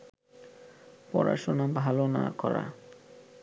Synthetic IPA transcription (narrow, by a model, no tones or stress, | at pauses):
pɔɾa̰ʃonabʱalonakɔɾa